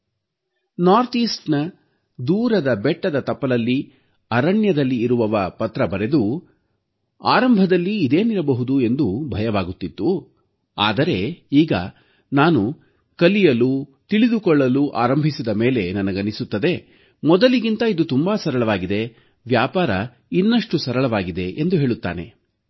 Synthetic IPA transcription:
naːɾt̪iːsʈnɐ | d̪uːɾɐd̪ɐbɛʈːɐd̪ɐt̪ɐpːɐlɐlːi | ɐɾɐɳjɐd̪ɐlːiːɾuʋɐʋɐpɐt̪ɾɐbɐɾe̞d̪u | a̰ːɾɐmbʱɐd̪ɐlːiːd̪e̞ːniɾɐbɐɦud̪ue̞nd̪ubʱɐjɐʋaːɡut̪ːit̪ːu | a̰ːd̪ɐɾe̞iːɡɐ̰ | naːnu | kɐlijɐlut̪iɭid̪ukɔɭːɐluʔa̰ːɾɐmbʱisid̪ɐme̞ːle̞nɐnɐɡɐnisut̪ːɐd̪e̞ | mɔd̪ɐliɡint̪ɐid̪ut̪umbaːsɐɾɐɭɐʋaːɡid̪e̞ | ʋjaːpaːɾɐ | inːɐʂʈusɐɾɐɭɐʋaːɡid̪e̞ʔend̪uɦeːɭut̪ːa̰ːne̞̰

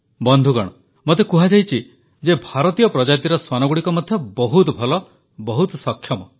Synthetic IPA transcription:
bɔnd̪ʱuɡɔɽ̃ɔ | mot̪ekuɦad͡ʒajt͡ʃʰi | d͡ʒebʱaɾɔt̪ijɔpɾɔd͡ʒat̪iɾɔswanɔɡuɽikɔmɔd̪ʱjɔbɔɦut̪ɔbʱɔlɔ | bɔɦut̪ɔsɔkʰjɔmɔ

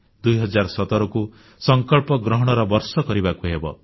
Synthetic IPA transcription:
d̪ujɦɔd͡ʒaɾɔsɔt̪ɔɾɔku | sɔŋkɔɭpɔɡɾɔɦɔɽ̃ɔɾɔbɔɾsɔkɔɾibakuɦebɔ̰

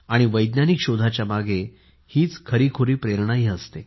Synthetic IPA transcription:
aɽ̃iʋəjd̪nanikɕod̪ʱat͡ɕjamaɡe | hiːt͡skʰəɾiːkʰoɾiːpɾeɾɳ̃aɦiːəst̪e

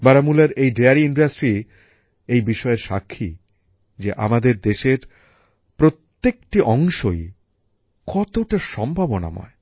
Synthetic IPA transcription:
baɾamulaɾejɖeaɾiiɳɖasʈɾi | ejbiʃɔeɾʃa̰kʰːi | d͡ʑeʔa̰mad̪eɾd̪eʃeɾ | pɾot̪ːek̚ʈiʔɔŋʃoj | kɔt̪oʈaʃɔmbʱabona̰mɔ̰e

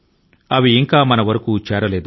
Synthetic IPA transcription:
ɐʋiːŋkaːmɐnɐʋɐɾɐkuːt͡ʃɛːɾɐle̞ːd̪u

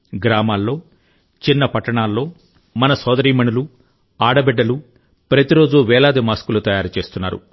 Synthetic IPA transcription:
ɡɾaːmaːlːo̞ː | t͡ʃinːɐpɐʈːɐɳaːlːo̞ː | mɐnɐsɔːd̪ɐɾiːmɐɳulu | aːɽɐbɛɖːɐlu | pɾɐt̪iɾo̞ːd͡ʒuʋɛːlaːd̪imaːskulut̪ɐjaːɾut͡ʃe̞ːst̪unːa̰ːɾṵ

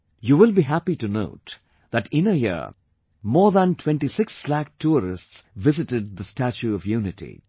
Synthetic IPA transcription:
juːʋɪlˠbiɦæpiʈuno̰ʊt | ðæʈɪ̃nəjɪ̰ | mɔːɾðæ̃ntʰw̥ɛ̃nʈisɪksːlæk̚ʈʰuɾɪ̰stsʋɪzɪʈɪd̪̚d̪əsʈæt͡ʃuɔvjuːnɪʈʰḭ

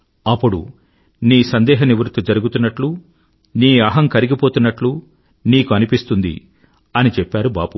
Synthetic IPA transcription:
ɐpːuɽṵ | niːsɐnd̪ɛːɦɐniʋɾut̪ːud͡ʒɐɾuɡut̪unːɐʈlu | niːɐɦɐŋkɐɾiɡipoːt̪unːɐʈlu | niːkuɐnipist̪und̪ḭ | ɐnit͡ʃɛpːaːɾubaːbu

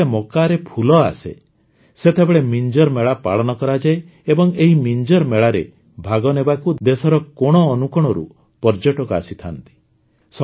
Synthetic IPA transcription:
emɔkaɾepʰulɔa̰sḛ | set̪ʰebeɭemind͡ʒɔɾmeɭapaɭɔnɔkɔɾad͡ʒae | ebɔŋeɦimind͡ʒɔɾmeɭaɾe | bʱaɡɔnebakud̪esɔɾɔkɔɽ̃ɔːnukɔɽ̃ɔɾṵ | pɔɾd͡ʒɔʈɔkua̰sit̪ʰant̪i̥ | sɔ

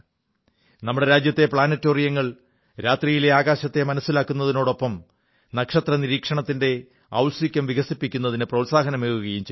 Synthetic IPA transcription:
nɐmːuɽe̞ɾaːd͡ʑjɐt̪ːe̞pɭaːnɐtːoːrijɐŋːɐɭ | ɾaːt̪rijile̞aːɣaːɕɐt̪ːe̞mɐnɐsːilaːkːunːɐðino̞ːɽo̞pːɐm | nɐkʂɐt̪rɐniɾiːkʂɐɳɐt̪ːinde̞ | ɐ̰wlsikʲːɐmʋiɣɐsipːikʲːunːɐðinɨprɐwtsaːɦɐnɐmeːɣuɣɐjumt͡ɕe

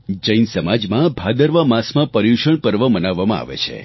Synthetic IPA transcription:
d͡ʒəjnsəmad͡ʒmãbʱad̪əɾʋamasmãpəɾjuʃəɳpəɾʋəmənaʋːamãa̰ʋḛt͡ʃʰḛ

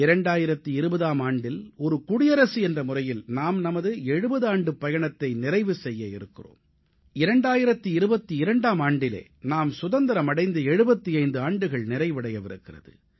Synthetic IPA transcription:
ɪɾɐɳɖaːjɪɾɐt̪ːɯɪɾɯbɐðaːmaːɳɖɪlɔɾɯkʊɽɪjɐɾɐsɯɛndrɐmʊrɐjɪlnaːmnɐmɐðɯɛɻɯbɐðɯaːɳɖɯpːɐjɐɳɐt̪ːɐɪnɪɾɐɪʋɯsɛjːɐɪɾɯkːɪro̰ːm | ɪɾɐɳɖaːjɪɾɐt̪ːiɪɾɯbɐt̪ːiɪɾɐɳɖaːmaːɳɖɪlḛː | naːmsʊðɐnd̪ɐɾɐmɐɽɐɪnd̪ɐɛɻɯbɐt̪ːiɐɪnd̪ɯaːɳɖɯɣɐɭnɪɾɐɪʋɪɽɐjɐʋɪɾɯ̰kːɪrɐ̰ðɯ̰

